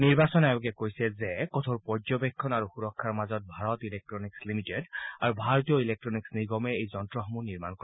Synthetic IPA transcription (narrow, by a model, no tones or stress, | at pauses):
niɹbasɔnaukɛkojsɛzɛkɔt̪ʰɔɹpɔɹzɔbekʰːɔnaɹuxuɹɔkʰːaɹmazɔt̚bʱaɹɔt̪ilek̚ʈɹɔnikslimitedaɹubʱaɹɔt̪ijɔilek̚ʈɹɔniksniɡɔmɛejzɔntɹɔxɔmuniɹmankɔ